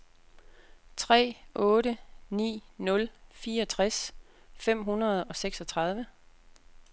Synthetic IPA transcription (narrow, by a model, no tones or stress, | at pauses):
t͡sʰʁɛ̰ːɔ̽ːɾənḭːnɔ̽lfiːɐɒ̽t͡sʰʁas | fem̰ɦunɐð̞ˠɒ̽seɡ̥sɒ̽t͡sʰʁɑ̈ð̞ˠʋə